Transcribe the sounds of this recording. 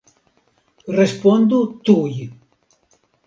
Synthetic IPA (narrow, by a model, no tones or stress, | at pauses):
respond̪ut̪uj